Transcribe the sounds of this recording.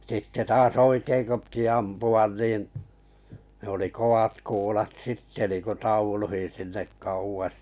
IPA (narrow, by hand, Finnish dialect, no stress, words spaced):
sitːe tɑːs oikeiŋ ko piti ɑmpuɑn niːn ne oli kow̆ɑt kuːlɑt sitːe niːku tɑuluhin sinːek kɑuwɑs